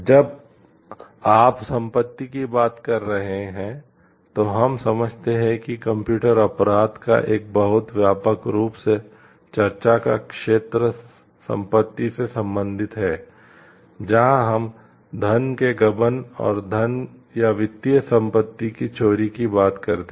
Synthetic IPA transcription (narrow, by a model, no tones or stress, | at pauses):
d͡ʒɐb | aːpsɐ̃mpət̪ːikibaːt̪kɐɾːɐɦeɦɛ̃ | t̪oɦɐmsɐməd͡ʒʱt̪eɦɛ̃kikɐ̃mpjuːʈəɾɐpɾaːd̪ka̰ʔeːk̚bəɦʊt̪ʋjaːpəkɾuːpse | t͡ʃɐɾt͡ʃaka̰kʃeːt̪ɾə | sɐ̰̃mpət̪ːisesɐ̃mbə̃nd̪ʱɪt̪ɦɛː | d͡ʒɐɦãɦɐm | d̪ʱɐnkeɡɐbənɔ̰ːɾd̪ʱɐnjaʋɪt̪ːijəsɐ̃mpət̪ːikit͡ʃoːɾikibaːt̪kɐɾt̪